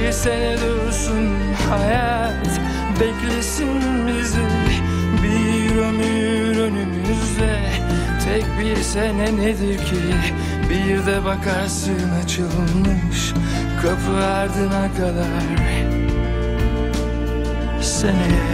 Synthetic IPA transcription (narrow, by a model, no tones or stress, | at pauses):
isɛnɛd̪øɾsun | haja | l | bɛclʲesin | mizi | biɾøny | ɾønymymyzlɛ | t̪ʰɛcbiɾsɛnɛned̪iɾcʰi | bijɾd̪ɛbakʰaɾsɯnat͡ʃʰɯlˠlˠmɯʃ | kʰapʰɯaɾd̪ɯnakʰad̪ˠa | ɾ | senɛ